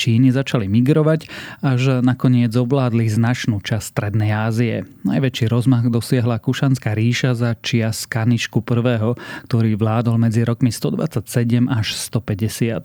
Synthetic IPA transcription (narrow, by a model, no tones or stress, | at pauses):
t͡ʃiːnizat͡ʃalimiɡɾɔʋacaʒnakɔɲɪɛd͡zɔʋlaːd̪liznat͡ʃnuːt͡ʃasst̪ɾɛd̪nɛjaːziɛ̰na̰jʋɛt͡ʃiːɾɔzmaɣd̪ɔsɪɛɦlakuʃanskaːɾiːʃazat͡ʃɪaskaniʃkupr̩ʋɛːɦɔkt̪ɔɾiːʋlaːd̪ɔlmɛd͡ziɾɔkmist̪ɔd̪ʋa̰t͡sacsɛɟɛmʔaʃst̪ɔpɛɟɛsɪat̪̚